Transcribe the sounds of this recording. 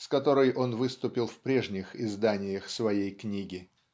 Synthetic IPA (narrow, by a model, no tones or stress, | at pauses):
skɐt̪o̞ɾɨjʔo̞nvɨst̪ʊpʲɪlˠfpɾʲe̞ʐnʲɪxɪzd̪anʲɪjəxsvɐjejknʲiɡʲɪ